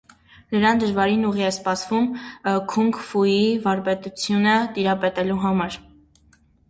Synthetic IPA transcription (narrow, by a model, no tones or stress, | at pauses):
nəɾɑnd̪əʒvɑɾinuʁiɛspɑsvumkʰuŋkfuivɑɾpɛt̪ut͡sʰjunət̪iɾɑpɛt̪ɛluɦɑmɑɾ